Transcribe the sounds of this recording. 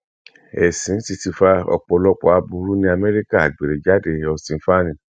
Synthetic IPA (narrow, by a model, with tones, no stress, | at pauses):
ɛ˨sĩ˨˦ti˧ti˧fa˧ɔ̰˧k͡pɔ˧lɔ˧k͡pɔ˧˦a˧bu˧˦ɾu˦nĩ˦a˧mɛ˦ɾi˦ka˦˨a˨ɡ͡be˨ɾe˨d͡ʒa˨˦de˧˨ɔ˧sĩ˨˦fa˦nĩ˨